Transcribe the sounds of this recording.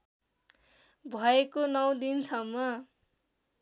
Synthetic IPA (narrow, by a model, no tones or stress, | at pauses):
bʱʌekonʌw̃d̪insʌmːʌ